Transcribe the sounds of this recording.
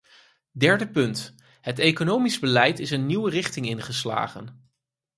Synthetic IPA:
dɛɹdəpɵnt | ɦətejkonowmizbəlɛjtɪsənːiwərɪχtɪŋɪnχəsla̰ːχə̰n

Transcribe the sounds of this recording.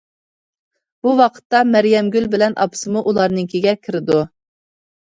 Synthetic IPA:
b̥uwɑqʰə̥t̪ːɑmæɾjɛmɡʲylbɪlɛnʔɑ̰pʰɨ̥sɨmuʔulˠɑɾnɨŋkʲʰiɡʲɛkʲʰɪɾɪd̪u

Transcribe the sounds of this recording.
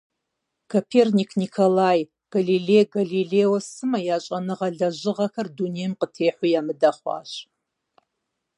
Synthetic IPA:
kʰopʰeːrnikʰnikʰolaːj | ɡ̥ɐliɮeːjɡɐɮiɮeːwɔsɨmɐjaːɕʼɐnɨʁɐɮɐʑɨʁɐkɐrdunejmqətʰeːħʷijaːmɨdɐχʷɑ̰ːɕ

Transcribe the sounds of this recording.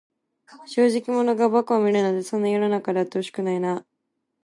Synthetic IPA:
ɕo̞ːʑikʲimo̞no̞ɡabakɯ̟βamʲiɾɯnod̪e̞sõ̞nːajononakad̪eat̪ːoɕi̥kɯ̟naina

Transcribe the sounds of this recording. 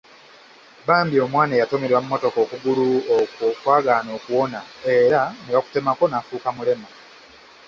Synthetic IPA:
baːmbio̞mwaːnajato̞meɾwamumo̞to̞ko̞ːkuɡuluokokwaːɡano̞ːkuwo̞naeɾanewaku̥te̞mako̞nafuːkamule̞ma

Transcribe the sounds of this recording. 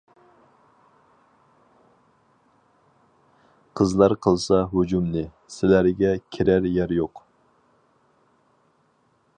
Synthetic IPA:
qʰəzlˠɑɾqʰəlˠsɑɦud͡ʒumnɨ | sɪlæɾɡʲɛkʲʰiɾæɾjæɾjoq

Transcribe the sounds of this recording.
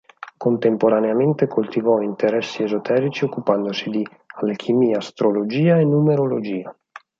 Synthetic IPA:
kont̪empoɾaneament̪ekʰolt̪ivɔint̪eɾɛsːiezot̪ʰɛːɾit͡ʃiokːupand̪osid̪i | alekʰimiːast̪ɾolod͡ʒiːaenːumeɾolod͡ʒiːa

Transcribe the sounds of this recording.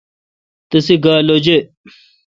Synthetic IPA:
t̪ɐsiɡaːlod͡ʑe

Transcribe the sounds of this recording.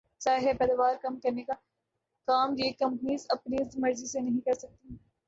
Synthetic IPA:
saːɦepɛːd̪aʋaːɾkɐmkɐɾneka | kaːmjeːkɐ̃mpniːzɐpnizmɐɾzisenɐɦĩkɐɾsɐk̚t̪i

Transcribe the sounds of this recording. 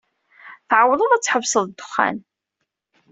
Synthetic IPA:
θʕəwːðˤəðˤæt͡sːħəvsəðˤd̪ːʊ̥χːa̰n

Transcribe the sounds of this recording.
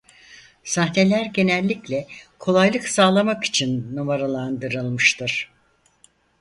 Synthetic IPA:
saɦne̞lʲæɾɟe̞nælʲːiclʲɛkʰo̞lˠajlˠɯksaːlˠamaki̥t͡ʃʰinːomaɾalˠand̪ɯɾɯlˠmɯʃt̪ʰɯɾ̥

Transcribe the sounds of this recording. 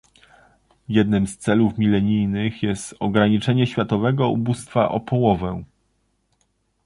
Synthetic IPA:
jɛd̪nɘmst̪sɛlufmʲilɛɲijnɘxjɛst̪ɔɡɾaɲit͡ʂɛɲɛɕfʲjat̪ɔvɛɡɔubust̪faʔɔ̰pʰɔwɔvɛ

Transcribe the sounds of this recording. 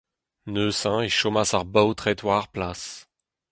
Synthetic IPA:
nøsɛ̃eʃomasaʁbaot̪χet̪waʁplas

